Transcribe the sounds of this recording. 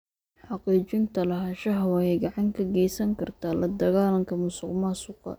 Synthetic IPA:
ħɑqiːt͡ʃɪnt̪ʰɐlɐɦɐʃɐɦɐwɑhɛjɡɑʕɑŋkʰɐɡɛjsɐŋkʰɐrt̪ʰaːlɐd̪ɐɣaːlɐŋkʰɐmʊsʊqmasʊqɑ̰

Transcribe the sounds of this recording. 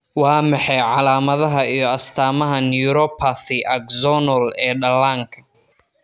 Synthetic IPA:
wɑːmɑħɛjʕɑlaːmɐðɐɦɐijɞɐst̪ʰaːmɐɦɐnjuɾɔpʰaθɪʔɐɡzɔnɔlɛːɖɐlaːŋkʰɐ̥

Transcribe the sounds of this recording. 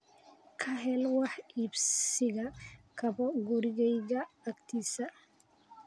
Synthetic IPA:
kʰɐɦɛlwɑħibssɪɣɐkʰɐbɔɡɔɾɪɣɛjɣɐːkt̪ʰiːsɐ

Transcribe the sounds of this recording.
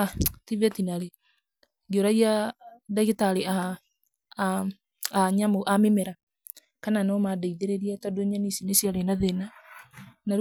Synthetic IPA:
tivɛtinaɾe | ɡioɾaɣiadaɣetaɾea | aɲamoʔamemɛɾa | kananɔmadaiðeɾeɾiatadoɲanisinesjaɾenaðena | naɾ

